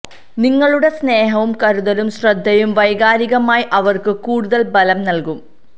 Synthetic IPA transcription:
niŋːɐɭuɽe̞sne̞ːɦɐʋumkɐɾuðɐlumɕrɐd̪ʱːɐjumʋɐjɡaːɾiɣɐmaːjiʔɐʋɐrkɨkuːɽuðɐlbɐlɐmnɐlkum

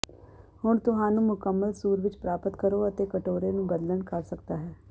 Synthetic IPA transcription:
hʊɳt̪ʊɦãːnũːmʊkəmːəlsuːɾʋɪt͡ʃpɾaːpət̪kəɾoːət̪eːkəʈoːɾeːnũːɡəd̪ləɳkəɾsək̚d̪aːɦɛː

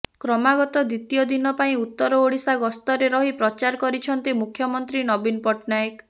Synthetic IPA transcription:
kɾɔmaɡɔt̪ɔd̪it̪ijɔd̪inɔpaĩut̪ːɔɾɔoɽisaɡɔst̪ɔɾeɾɔɦipɾɔt͡ʃaɾɔkɔɾit͡ʃʰɔnt̪imukʰjɔmɔnt̪ɾinɔbinpɔʈnajek

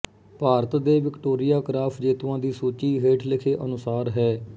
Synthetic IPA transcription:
paːɾət̪d̪eːʋɪkʈoːɾɪjaːkɾaːpʰd͡ʒeːt̪ʋãːd̪iːsuːt͡ʃiːɦeːʈʰlɪkʰeːʔənʊsaːɾɦɛː

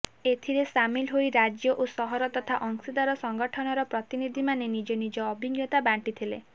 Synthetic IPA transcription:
et̪ʰiɾesamilɦojɾad͡ʒjɔʔosɔɦɔɾɔt̪ɔt̪ʰaʔɔŋsid̪aɾɔsɔŋɡɔʈʰɔnɔɾɔpɾɔt̪inid̪ʱimanenid͡ʒɔnid͡ʒɔːbʱiɡjɔt̪abaɳʈit̪ʰilḛ

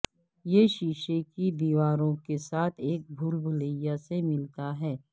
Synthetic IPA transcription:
jeʃiːʃekibiːʋaːɾõkesaːt̪ʰeːk̚bʱuːlbʱʊləɪjasemɪlt̪aɦɛː

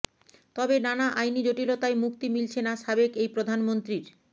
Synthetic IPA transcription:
t̪ɔbenanaʔajnid͡ʑoʈilot̪ajmuk̚t̪imilt͡ɕʰenaʃabekejpɾod̪ʱanmont̪ɾiɾ

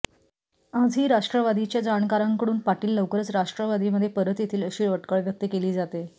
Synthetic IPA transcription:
ad͡zʱiːɾaʂʈɾəʋad̪ʱit͡ɕjad͡zaɳkaɾaŋkəɽuːnpaʈiːlːəwkəɾət͡sɾaʂʈɾəʋad̪ʱiːməd̪ʱːjepəɾət̪jet̪ʰiːləɕiːʋəʈkəɭʋjək̚t̪əkeliːd͡zat̪e

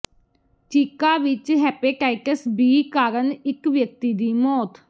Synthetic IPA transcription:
t͡ʃiːkaːʋɪt͡ʃɦɛːpeːʈaːɪkəsbiːkaːɾənɪkʋjək̚t̪iːd̪iːmɔːt̪

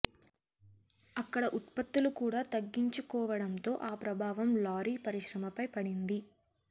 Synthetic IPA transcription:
ɐkːɐɽɐʔut̪pɐt̪ːulukuːɽaːt̪ɐɡːiɲt͡ʃukɔːʋɐɽɐnt̪o̞ːʔaːpɾɐbʱaːʋɐmlaːɾiːpɐɾiʃɾɐmɐpɐjpɐɽind̪i

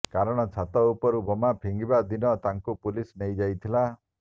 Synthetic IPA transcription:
kaɾɔɽ̃ɔt͡ʃʰat̪ɔupɔɾubɔmapʰiŋɡibad̪inɔt̪aŋkupulisnejd͡ʒajt̪ʰila

